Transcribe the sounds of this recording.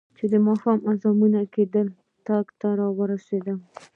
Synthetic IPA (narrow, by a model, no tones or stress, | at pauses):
t͡ʃed̪əmɑhɑmazɑmunaked̪əl | t̪ɑɡt̪aɾɑwəɾased̪a